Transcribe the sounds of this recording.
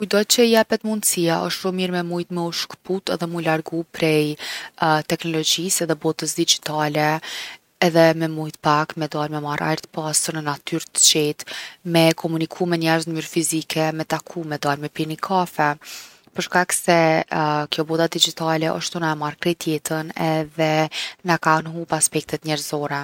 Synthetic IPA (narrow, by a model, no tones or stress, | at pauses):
kujd̪ɔt̪̚t͡ɕəjɛpɛt̪mund̪siaʔɔʃt̪ʃumiɾmɛmujt̪mɛuʃkput̪ɛðɛmujlaɾɡupɾɛj | t̪ɛknɔlɔd͡ʑisɛðɛbɔt̪əsd̪id͡ʒit̪alɛ | ɛðɛmɛmujt̪pakmɛd̪almɛmaɾa̰jɾt̪ə̥pasəɾnənat̪yɾt̪ə̥t͡ʃɛt̪mɛkʰɔmunikʰumɛnɛɾznəmyɾfizikʰɛmɛt̪akʰumɛd̪almɛpiɾnikʰafɛ | pəɾʃkaksɛkjɔbɔd̪ad̪id͡ʒit̪alɛʔɔ̰ʃt̪unaɛmaɾkɾɛt̪ʰjɛt̪ənɛðɛnakanɦupaspɛk̚t̪ɛt̪ɲɛɾzɔɾɛ